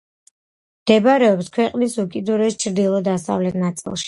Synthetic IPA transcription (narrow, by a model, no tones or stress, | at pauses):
md̪̥ɛbɾɛɔpskʰwɛqʼnisukʼid̪uɾɛst͡ʃʰɾd̪ilˠɔd̪asa̰vlɛt̪ʰnat̪sʼḭlˠʃi̥